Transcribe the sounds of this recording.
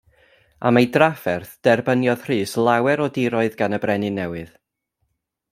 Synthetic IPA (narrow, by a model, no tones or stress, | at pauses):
a̰majdrafɛrθd̥ɛrbənjɔðr̥iːslˠawɛɾɔdɪɾɔɨðɡanəbrɛnɨnɛwɨð